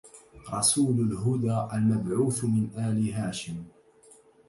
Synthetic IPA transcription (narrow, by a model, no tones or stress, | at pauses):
ɾˤɑsuːlʊlɦʊd̪aːʔalmabʕuːθmɪnʔaːliɦaːʃɪm